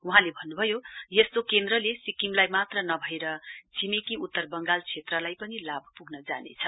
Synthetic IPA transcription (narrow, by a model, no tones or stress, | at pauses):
uɦãlebʱʌnːubʱʌjojest̪okend̪rʌlesikimlajmat̪rʌnʌbʱʌeɾʌd͡zimekiut̪ːʌrbʌŋɡalt͡sʰet̪rʌlajpʌnilabʱʌpuɡnʌd͡zanḛt͡sʰʌ